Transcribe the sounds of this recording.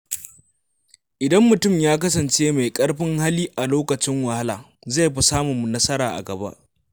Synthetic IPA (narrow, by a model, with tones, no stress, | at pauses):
ʔɪ˨dɐ˦mːʊ˨tʊ˦˨mjaː˦k̬ɐ˦s̬ɐ˨nt͡ʃeː˦ma˨jkʼɐ˦ɽɸɪ˦ŋha˦liː˦ʔa˨loː˦kɐ˨t͡ʃɪ˦ŋwɐ˨ha˦laː˨ | za˦˨jɸɐ˦saː˦mʊ˨mːu˨nɐ˦sɐ˦ɾaː˨ʔa̰˨ɡɐ˨ba̰˦ʔ